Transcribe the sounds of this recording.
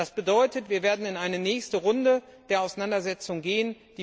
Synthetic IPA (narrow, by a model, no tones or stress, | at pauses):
asb̥ədɔʏtətv̥iːɐveːɐdn̩ɪnʔaɪnənɛːçstəʁʊndəd̥eːɐaʊsanandɐzɛt͡sʊŋɡeːən | d̥iː